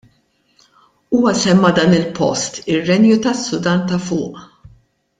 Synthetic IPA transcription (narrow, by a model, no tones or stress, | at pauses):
uːwɐsɛmːɐd̪ɐːnɪlpʰɔ̰st̪ɪrːɛnjut̪ɐsːʊd̪ɐnt̪ɐfʊːʔ